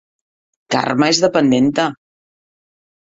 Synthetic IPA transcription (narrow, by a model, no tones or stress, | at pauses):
ka̰rməezðəpənd̪ent̪ə